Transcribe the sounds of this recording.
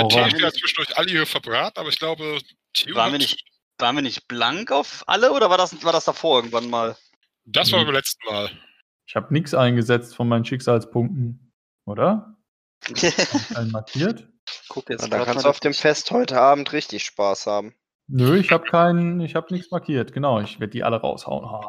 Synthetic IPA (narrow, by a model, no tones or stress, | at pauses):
aɔʁʰɐɪç̥eːdɐt͡sv̥ɪʃn̩dʊɐçʔaləiːʁəfɛɐbʁaːtn̩ʔaːbɐɪçɡ̥laʊbə | tʰiːvaːʁnviɐnɪç | vaːʁ̃nviɐnɪçt̚b̥laŋkaʊfʔa̰ləʔoːɾɐvaːɐdasvaːɐdasd̥afoːɐʔɪɐɡŋ̩tv̥anmaːl | d̥asv̥aːɐɪmlɛt͡stn̩maːl | ʔɪçhaːbənɪksʔaɪnɡəzɛt͡stfɔnmaɪnən̩ʃɪkz̥aːlspʰʊŋk̚tn̩ | ʔoːɾɐ | aɪənmaɐkʰiːɐt | kʰʊkɛ̰dakkansd̥uaʊfd̥eːmfɛsthɔʏtəaːbm̩tʁɪçtɪçʃpaːshaːbm̩ | nəɪçhaːbəkʰaɪnənɪçhaːbənɪksmaɐkʰiːɐtɡ̥ənaʊɪçv̥eːɐdədiːʔa̰ləʁa̰ʊsha̰ʊənhaː